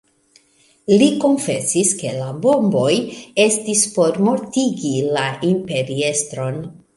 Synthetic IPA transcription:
liko̞nfe̞siske̞labo̞mbo̞je̞stispo̞ɾmo̞ɾtiɡilaʔimpe̞ɾie̞stɾo̞n

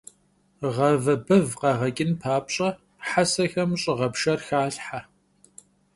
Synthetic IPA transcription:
ʁɐvɐbɨvqɑʁɐkʼɪnpʰaːpɕʼɐ | ħasɐxɐmɕʼɪʁɐpʃɐrxaːɬħa

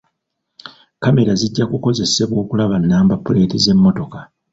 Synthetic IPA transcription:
kame̞ɾaziɟːakuko̞ze̞se̞βwo̞ːkulaβanːaːmbapːule̞ːtize̞mːo̞to̞ka

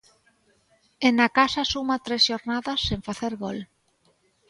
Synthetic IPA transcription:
enakasasumat̪ɾesʃoɾnaðasːeɱfaθeɾɣol

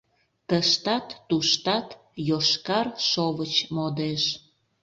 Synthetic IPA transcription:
t̪əʃt̪ɑt̪ːuʃt̪ɑt̪ | joʃkɑrʃoβət͡ɕmod̪eʃ

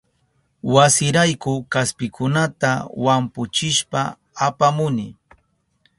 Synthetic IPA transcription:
wasɪɾajkʊkaspɪkʰʊnat̪awampʊt͡ʃɪʃpaː | pamʊnɪ

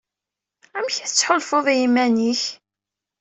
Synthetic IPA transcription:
æmçæθət͡sːħolfoðˤæjimːæniç

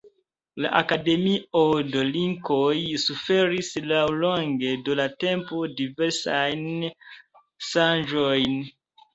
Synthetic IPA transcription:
la̰ʔakade̞miodoliŋkojsufe̞ɾislawlo̞ŋɡe̞dolate̞mpodive̞ɾsajn | ʃand͡ʒojn

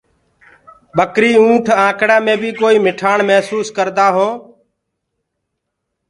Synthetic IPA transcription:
ɓəkɾiːũːʈʰãːkɽɛːmẽːbiːkoːiːmɪʈʰaːɳməɦsuːskəɾd̪aːɦoː

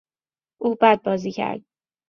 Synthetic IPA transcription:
ʔuːbæd̪̚bɒːziːcʰæ̰ɾd̪̥̚

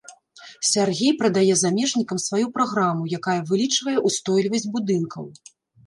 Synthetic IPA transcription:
sʲarɣʲejpɾɐd̪ajɛzamʲɛʐnʲikɐmsvajupɾaɣɾamujakajɐvɨlʲit͡ʂvɐjɛʔust̪ɔjlʲivɐsʲd͡zʲbud̪ɨnkʰɐ̰w

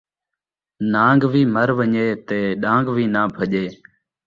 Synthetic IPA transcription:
nãːŋɡʋiːməɾʋəɲeːt̪eːɗãːŋɡʋiːnaːbʱəʄeː

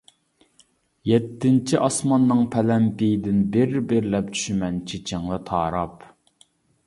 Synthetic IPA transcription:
jɛt̪ʰːɪnt͡ʃʰiʔɑsmɑnːɨŋpʰɛlɛmpijd̪ɪnbɪɾbɪɾlɛp̚t͡ʃʰy̥ʃymɛnt͡ʃʰet͡ʃʰɪŋlˠɨt̪ʰɑːɾɑp

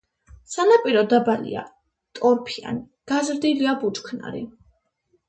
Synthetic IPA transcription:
sanapʼiɾɔd̪abalḭa̰ | t̪ʼɔɾpʰia̰ni | ɡ̥azɾd̪iliabut͡ʃkʰna̰ɾḭ

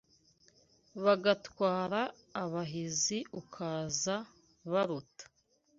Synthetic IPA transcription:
βaɡatwaːɾaː | βaɦiziʔukʰaːza | βaɾutḁ

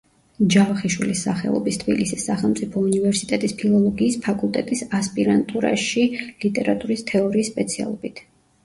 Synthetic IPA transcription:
d͡ʒavaχiʃwilisːaχɛ̰lˠɔ̰bist̪ʰb̥ilisisːaχɛlˠmt̪sʼipʰɔunivɛɾsit̪ʼɛt̪ʼispʰilˠɔlˠɔɡiːspʰakʼulˠt̪ʼɛt̪ʼisaspʼiɾant̪ʼuɾa̰ʃilit̪ʼɛɾat̪ʼuɾist̪ʰɛɔɾiːsːpʼɛt̪sʰia̰lˠɔbit̪ʰ

